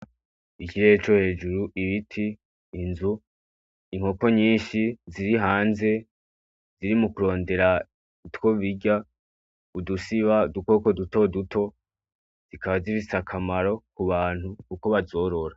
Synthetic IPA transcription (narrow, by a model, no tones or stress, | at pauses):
iciɾeet͡ʃo̞he̞ːd͡ʒuɾuʔiβitʰiː | nzu | iŋ̥ho̞ko̞ɲiːnʃiziɾiɦaːnze̞ | z̥iɾimukuɾo̞ːnde̞ɾa | itwo̞βiɟa | udusiβaduko̞koduto̞dutʰo̞ | z̥ikaβazifit͡sakʰamaɾo̞kuβaːn̥hukuko̞βazo̞ːɾo̞ɾa